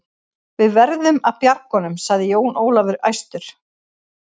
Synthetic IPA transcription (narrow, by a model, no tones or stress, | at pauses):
vɪðvɛɾðʏmaðpjaɾkɔnʏmsaɣðɪjoːwnoːwlavɪɾa̰jst̪ʏɾ̥